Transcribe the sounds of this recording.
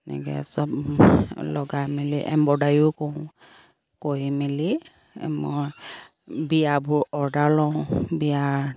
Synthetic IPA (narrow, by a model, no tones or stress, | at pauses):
nɛ̰ɡɛ̰sɔb̚ | lɔɡamiliʔɛ̰mbɔdajʊkɔw | kojmilḭ | mɔj | bijabʊɹɔɹdalɔ̃bija